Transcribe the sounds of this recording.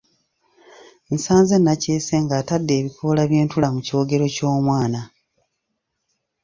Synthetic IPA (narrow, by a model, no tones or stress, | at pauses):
misaːnzenːaceːse̞ŋɡaːtadːe̞ːβikolaβje̞ːntulamucio̞ːɡe̞ɾo̞co̞ːmwaːna